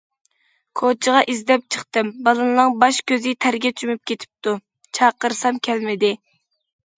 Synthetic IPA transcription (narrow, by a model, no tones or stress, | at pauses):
kʰot͡ʃʰəʁɑʔizd̪ɛp̚t͡ʃʰəχt̪ɨmbɑlˠɨnlɨŋbɑʃkʲʰøzɪt̪ʰæɾɡʲɛt͡ʃʰymyp̚kʲet̪ʰɪ̥p̚t̪ʰu | t͡ʃʰɑqəɾsɑmkʲʰɛlmɪd̪ɪ